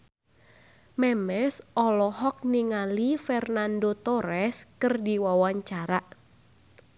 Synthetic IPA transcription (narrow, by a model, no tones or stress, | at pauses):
mɛmɛsɔlɔɦɔk̚niŋalifɛrnandot̪ɔɾɛskɨrdiwawaɲt͡ʃaɾaʔ